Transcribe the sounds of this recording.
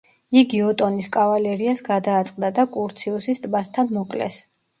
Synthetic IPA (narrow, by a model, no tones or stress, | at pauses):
iɡiɔt̪ʼɔniskʼavalɛɾiasɡad̪aːt̪sʼqʼd̪ad̪akʼuɾt̪sʰiɔsist̪ʼbast̪ʰanmɔkʼlɛ̰s